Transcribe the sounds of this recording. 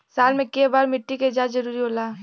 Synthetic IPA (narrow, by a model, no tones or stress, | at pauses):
saːlmẽkebaːɾmɪʈːiked͡ʒaːzɐɾuːɾiɦoːlaː